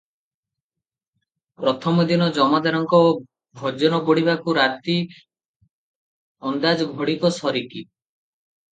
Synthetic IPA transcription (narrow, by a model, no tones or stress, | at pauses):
pɾɔt̪ʰɔmɔd̪inɔd͡ʒɔmad̪aɾɔŋkɔ | bʱɔd͡ʒɔnɔbɔɽ̤ibakuɾat̪i | ɔnd̪ad͡ʒɔɡʱɔɽikɔsɔɾiki